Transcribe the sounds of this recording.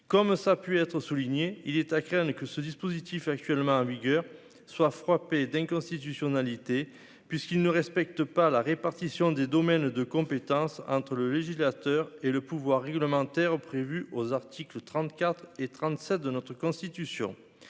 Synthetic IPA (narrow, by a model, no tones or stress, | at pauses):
kɔmsapyɛt̪χəsuliɲeilɛt̪akχɛ̃d̪əkəsəd̪ispozit̪ifak̚t̪ɥɛlmɑ̃ɑ̃viɡœʁ | swafχaped̪ɛ̃kɔ̃st̪it̪ysjɔnalit̪e | pɥiskilnəʁɛspɛk̚t̪əpalaʁepaʁt̪isjɔ̃d̪ed̪ɔmɛnd̪əkɔ̃pet̪ɑ̃sɑ̃t̪χələleʒislat̪œʁeləpuvwaʁːɛɡləmɑ̃t̪ɛʁpχevyʔozaʁt̪ʰiklət̪χɑ̃t̪kat̪χet̪χɑ̃t̪sɛt̪̚d̪ənɔt̪χəkɔ̃st̪it̪ysjɔ̰̃